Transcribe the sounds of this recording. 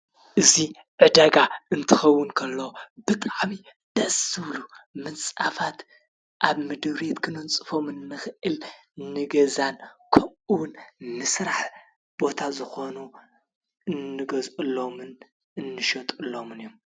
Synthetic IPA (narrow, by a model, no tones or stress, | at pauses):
ʔɨzi | ʕɨd̪aɡaɨnt̪ʰɨxɐwːʊnkʰɐlːɐwob̥ɨt̪ʼaʕmi | d̪̥ɐsɨβlumɨnt͡sʼafat̪ | ʔaβmɨd̪ɨβɾet̪kʰɨnɨnt͡sʼɨfo̞mɨnːɨxɨʔɨl | nɨɡɐzankʰɐmʔɨwʊnmɨsɾaħ | b̥o̞t̪ʰazɨxo̞nu | ɨnːɨɡɐzʔulːo̞mɨn | ɨnːɨʃɐt̪ʼɨlːomɨnjom